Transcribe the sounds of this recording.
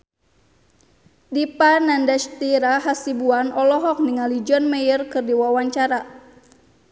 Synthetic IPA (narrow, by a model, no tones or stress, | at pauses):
dipanandaʃt̪iɾaɦasibuanʔɔlɔɦɔk̚niŋalid͡ʒɔnmɛjərkɨrdiwawaɲt͡ʃaɾa